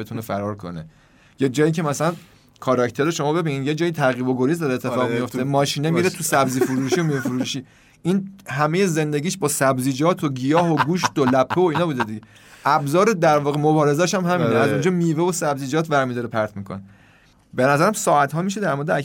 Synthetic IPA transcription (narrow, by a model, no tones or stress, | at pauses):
et̪ʰunefæɾɒːɾkʰo̰nḛ | jed͡ʒɒːjicʰemæsælæn | kʰɒɾɒct̪ʰe̞ɾoʃo̞mɒːbe̞binid̪jed͡ʒɒːjit̪ʰæɣiːboɡoɾiːzd̪ɒɾet̪ʰːfɒːʁmijo̞ft̪emɒːʃiːnemiɾet̪ʰusæbziːfuɾuːʃiomiːvefuɾuːʃiː | inhæme̞je̞ze̞nd̪eɡiːʃbɒːsæbziːd͡ʒɒːt̪ʰoɡijɒːɦoɡuːʃt̪olæpʰːeoiːnɒːbuːd̪ed̪iɟe | ʔæbzɒːɾed̪æɾvɒːɣemobɒːɾe̞zæʃæmɦæmiːneæzund͡ʒɒːmiːvevosæbziːd͡ʒɒːt̪ʰvæɾmid̪ɒːɾepʰæɾt̪ʰmiːkʰo̞̰ne | benæzæɾæmsɒːæt̪ɦɒːmiʃed̪æɾmoɾed̪eæ